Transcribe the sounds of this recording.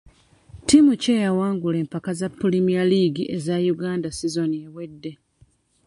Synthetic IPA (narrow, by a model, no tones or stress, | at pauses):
timuce̞jawaːŋɡule̞ːmpakazapːulimialiːɡiʔezajuɡaːndasizo̞niewe̞dːe̞